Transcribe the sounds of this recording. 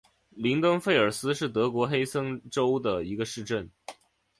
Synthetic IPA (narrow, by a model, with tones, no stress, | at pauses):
li˧˥ŋk̪ɤ˥ŋfe˥˩ɪə˞˨˩sɹ̩˥ʂɻ̩˥˩t̪ɤ˧˥kwɔ˧˥xe˥ɪsɤ˥ŋʈ͡ʂo˥ʊd̪ə˨i˧˥ɡə˧ʂɻ̩˥˧ʈ͡ʂə˥˩n